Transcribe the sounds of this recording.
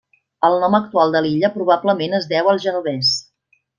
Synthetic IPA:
əlˠnɔmək̚t̪ualˠd̪əliʎəpɾuβ̞abləmenəzðɛwəlˠʒənuβɛs

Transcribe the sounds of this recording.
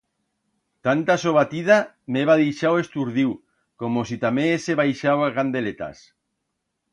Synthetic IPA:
t̪ant̪asoβat̪ið̞a | meβaðijʃawest̪uɾðiw | komosit̪amẽeseβajʃawaɣand̪elet̪a̰s

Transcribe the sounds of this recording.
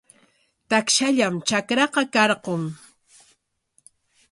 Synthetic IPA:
t̪akʃaʎamt͡ʃakɾɑqɑkɑɾqoŋ

